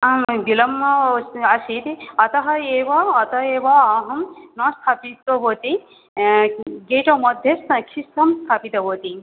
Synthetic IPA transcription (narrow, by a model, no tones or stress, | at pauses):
bilɐmːɐɐsit̪iɐt̪ɐɦɐeːʋɐːt̪ɐeːʋɐaɦɐmnɔst̪ʰapit̪oʋot̪i | ɡeʈomɔd̪ʱjeskʰist̪ɐmst̪ʰapit̪ɐʋot̪i